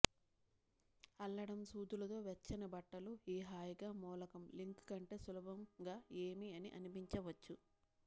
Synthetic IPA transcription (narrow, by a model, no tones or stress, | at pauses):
ɐlːɐɽɐmsuːd̪ulɐt̪o̞ːʋet͡ʃːɐnɐbɐʈːɐluiːɦaːjɡaːmɔːlɐkɐmliŋkkɐɳʈe̞ːsulɐbʱɐmɡaːeːmiɐniʔɐ̰nipiɲt͡ʃɐʋɐt͡ʃːu